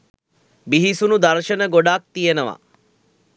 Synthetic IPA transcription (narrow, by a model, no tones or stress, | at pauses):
biɦisunud̪ɐɾʃənəɡoɖaːk̚t̪ijenəʋa̰